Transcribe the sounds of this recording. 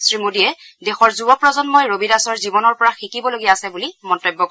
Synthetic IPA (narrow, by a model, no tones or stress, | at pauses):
sɹimodijɛ | dɛxɔɹzubɔpɹɔzɔnmojɹobidasɔɹzibɔnɔɹpɔɹaxikibɔloɡijaːsɛbulimɔntɔjbːɔk